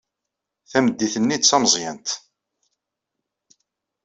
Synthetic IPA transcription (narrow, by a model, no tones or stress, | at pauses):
θæməd̪ːiθənːit͡sːɑmzˤjænt̪